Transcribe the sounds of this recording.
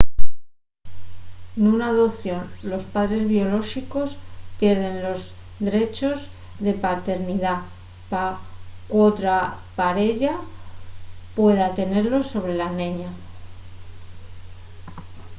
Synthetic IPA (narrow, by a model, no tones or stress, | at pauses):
nunaːðopθjo̞nlo̞spaðɾe̞zβio̞lo̞xiko̞spje̞ɾðe̞nlo̞z | ðɾe̞t͡ʃo̞z | ðe̞pat̪e̞ɾniða | pakot̪ɾapaɾe̞ʎa | pwe̞ðat̪e̞ne̞ɾlo̞so̞β̞ɾe̞lanẽɲa